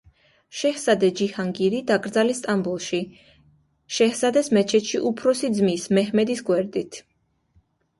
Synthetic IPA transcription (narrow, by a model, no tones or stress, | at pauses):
ʃɛhsad̪ɛd͡ʒihaŋɡiɾid̪akʼɾd̪zalist̪ʼambulˠʃi | ʃɛhsad̪ɛsmɛt͡ʃʰɛt̪ʃiʔupʰɾɔsid̪zmismɛɦmɛd̪isɡwɛɾd̪it̪ʰ